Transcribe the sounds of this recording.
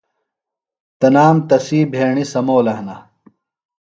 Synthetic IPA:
t̪ɐnaːmt̪ɐsiːbʱeːɳisɐmoːlɐɦnɐ

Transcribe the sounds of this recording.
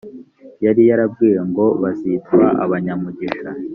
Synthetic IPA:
jaɾijaɾabɡiːjeŋɡo̞βazitwaʔa̰βaɲamuɟiʃa

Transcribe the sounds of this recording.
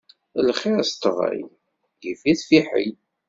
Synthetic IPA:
lχiɾst̪əʁæ̰j | jifiθfiħḭ

